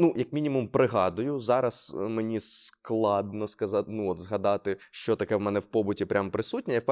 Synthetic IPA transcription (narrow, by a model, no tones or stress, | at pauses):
nujɐkmʲinʲimʊmpɾɪɦɑd̪ʊjʊzɑɾɐsmenʲisklˠɑd̪̚nɔskɐzɑtʲnuɔt̪zɦɐd̪ɑt̪ɪʃt͡ʃɔt̪ɐkɛwmɛnɛwpɔbʊtʲipɾʲʔampɾɪsut̚ʲnʲɛjap